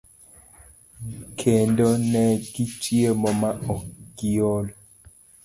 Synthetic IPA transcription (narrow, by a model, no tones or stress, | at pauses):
kʰendɔnɛɡit͡ʃiemɔmaɔɡiɔlɔ